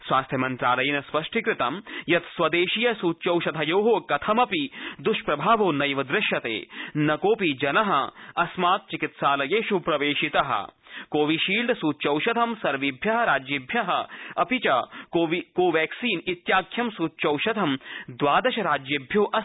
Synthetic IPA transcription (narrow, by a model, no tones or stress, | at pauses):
sʋaːst̪ʰjɐmɐnt̪ɾaːlɐjɐnɐspɐʂʈʰikɾɪt̪ɐ̰mjɐt̪sʋɐd̪eːʃijɐsuːtːt͡ʃɐwʃɐt̪ʰɐjoːɦoːkɐt̪ʰɐmɐpid̪uʃpɾɐbʱaːʋoːnɐjʋɐd̪ɾɪʃjɐt̪ḛːnɐkoːpid͡ʒɐnɐɦɐ̰̆ɐsmaːt̪̚t͡ʃikit̪ʃaːlɐjeːʃupɾɐʋeːʃit̪ɐɦɐ̰koːʋiʃiːlɖ̪suːtːt͡ʃɐwʃɐd̪ʱɐmsɐɾʋibʱjɐɦɐɾaːd͡ʒibʱjɐɦɐɐpit͡ʃɐokoːʋɛːksiːnit̪jaːkʰjɐmsuːt̪ːʃɐwʃɐd̪ʰʱɐmd̪ʋaːd̪ɐʃɐɾaːd͡ʒjɐbʱjoːʔɐ